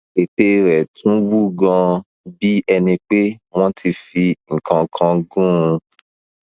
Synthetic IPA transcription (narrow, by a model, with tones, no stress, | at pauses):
e˨te˧ɾɛ˨tũ˨˦wu˦ɡã˧ | bi˦ɛ˧nĩ˧k͡pe˦w̃ɔ̃˦tʰi˧fi˧ŋ̩˨kã˨kʰã˧ɡũ˦ũ˧